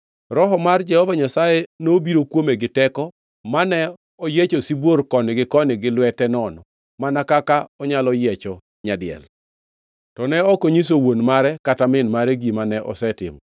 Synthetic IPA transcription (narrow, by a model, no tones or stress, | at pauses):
ɾɔɦɔmard͡ʒɛhɔvaɲasajɛnobiɾokwomeɡɪtɛkɔ | manɛ | ɔjet͡ʃosibworkɔnɪɡɪkɔnɪɡɪlwɛtɛnɔnɔ | manakakaɔɲalɔjɛt͡ʃɔ | ɲadɪɛ̰l | tɔnɛɔkoɲis̬owonmaɾɛkatamɪnmaɾɛɡimanɛʔɔ̰sɛtɪ̰mɔ